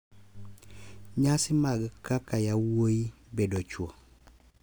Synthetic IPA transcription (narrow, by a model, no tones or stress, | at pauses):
ɲasɪmaɡkakajawoibedɔt͡ʃwɔ